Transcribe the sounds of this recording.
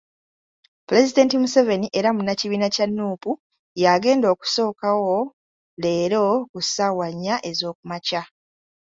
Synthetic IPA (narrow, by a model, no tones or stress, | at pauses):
ple̞zide̞ːntimuse̞ve̞niʔe̞ɾamunaciβiːnacanːuːpu | jaɡe̞ːndo̞ːku̥so̞ːkawo̞ | le̞ːɾo̞kusawaɲːaʔe̞zo̞ːkumaca